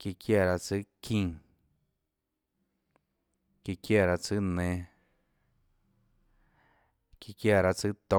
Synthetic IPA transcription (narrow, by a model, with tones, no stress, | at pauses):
ki˧kʰja˦˧˨ɾa˧t͡sɨ˦kʰĩ˧ | ki˧kja˧˨ɾa˧t͡sɨ˦nẽ˧ | ki˧kja˦˧˨ɾa˧t͡sɨ˦t̪õ˧